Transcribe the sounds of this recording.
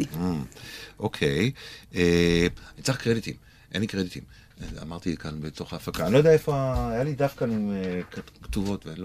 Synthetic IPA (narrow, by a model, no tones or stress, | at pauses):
ʔokʰejeanit͡saχkʁed̪it̪im | ʔḛnlikʁed̪it̪im | a̰maʁt̪ikanbeto̞χaːfakaanilodeaefoaːjalid̪afkanimekkt̪uvo̞t̪veenlo